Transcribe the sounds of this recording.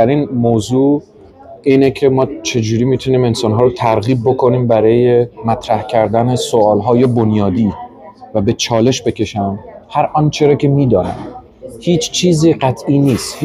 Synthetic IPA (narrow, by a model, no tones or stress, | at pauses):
æɾiːnmoːzuː | iːnecʰemɒːt͡ʃʰe̞d͡ʒuːɾiːmiːt̪ʰuniːme̞nsɒːnɦɒːɾot̪ʰæɾɣiːb̚ːokʰoniːmbæɾɒːjemæt̪ʰɾæhcʰæɾd̪æne̞soɒːlɦɒːje̞bonjɒːd̪iːvæbe̞t͡ʃʰɒːle̞ʃbe̞cʰe̞ʃæmhæɾʔɒnt͡ʃʰe̞ɾɒːcʰe̞miːd̪ɒːnæ̰m | hiːt͡ʃʰt͡ʃʰiːziːɢæt̪ʰʔiːniːst̪h